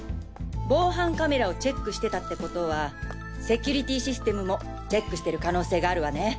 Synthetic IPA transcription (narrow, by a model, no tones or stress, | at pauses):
bo̞ːɦãŋkame̞ɾao̞t͡ɕe̞kːɯ̟ɕi̥t̪e̞t̪at̪ːe̞ko̞t̪o̞βa | se̞kʲuɾʲit̪ʲiɕisɨ̥t̪e̞mɯ̟mo̞ | t͡ɕe̞kːɯ̟ɕi̥t̪e̞ɾɯ̟kano̞ːse̞ːɡaːɾɯ̟βane̞